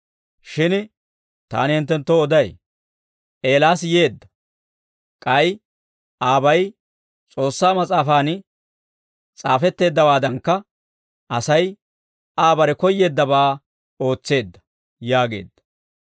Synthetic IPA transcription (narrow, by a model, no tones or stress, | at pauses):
ʃɪn | t̪a̰ːnɪhɪnt̪ːɛnt̪ːoɔd̪ɐj | e̞ːlaːs̬je̞ːd̪ːɐ̥ | kʼɐj | ʔaːbɐj | t͡sʼo̞ːsːaːmɐt͡sʼaːfaːn | t͡sʼaːfɛt̪ːe̞ːd̪ːɐwaːd̪ɐŋkːɐ | ʔɐsɐj | aːbɐɾɛkɔjːe̞ːd̪ːɐbaː | o̞ːt͡sːe̞ːd̪ːɐ̥ | jaːɡe̞̰ːd̪̥ːɐ̥